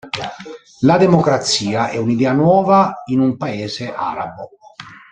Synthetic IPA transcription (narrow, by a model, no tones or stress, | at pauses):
lad̪emokɾat̪siːaʔɛunid̪ɛːanwɔːvainumpaeːzeʔa̰ːɾa̰bo